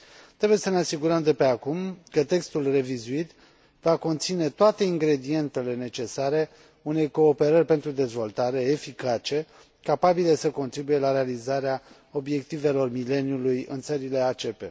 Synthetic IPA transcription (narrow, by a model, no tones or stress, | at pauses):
t̪ɾe̞buje̞səneasiɡuɾəmd̪e̞pe̞akumkət̪e̞kst̪ulre̞vizuit̪ | vako̞nt̪sine̞t̪oat̪e̞iŋɡɾe̞d̪ie̞nt̪e̞le̞ne̞t͡ʃe̞saɾe̞ | une̞jko̞ːpe̞ɾərʲpe̞nt̪ɾud̪e̞zvo̞lt̪aɾe̞ːfikat͡ʃe̞ | kapabilesəko̞nt̪ɾibuje̞laɾe̞alizaɾea | o̞bje̞k̚t̪ive̞lo̞rmile̞niulujɨ̰nt̪səɾile̞at͡ʃe̞pe̞̰